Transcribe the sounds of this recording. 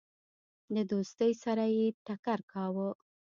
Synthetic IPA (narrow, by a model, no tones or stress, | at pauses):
d̪əd̪ost̪əjsaɾajeʈakaɾkɑwə